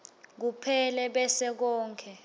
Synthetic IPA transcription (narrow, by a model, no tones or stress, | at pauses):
k̬upʰɛlɛɓɛsɛk̬ɔːŋkʰɛ